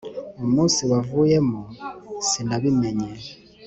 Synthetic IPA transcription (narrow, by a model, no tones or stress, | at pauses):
omusiwavujɛmɔsindaβimɛɲɛ